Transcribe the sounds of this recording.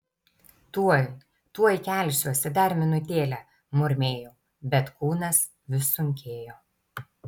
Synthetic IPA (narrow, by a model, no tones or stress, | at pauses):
t̪u | t̪uɔjkʲæˑlʲˑʃʲuɔsʲɛd̪ɐɾʲmʲɪnʊt̪ʲeːlʲɛː | mʊɾʲmʲeːjoː | bʲɛt̪kuːnɐs | ʋʲɪsʊŋʲkʲeːjoː